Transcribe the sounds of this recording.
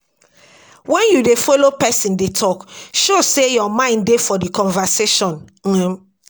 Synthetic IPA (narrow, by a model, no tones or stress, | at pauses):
wɛ̃njudefolopɛsĩndetʰɔkʃosejɔmãɪ̃ndefɔdikɔ̃nvaseʃɔ̃n̩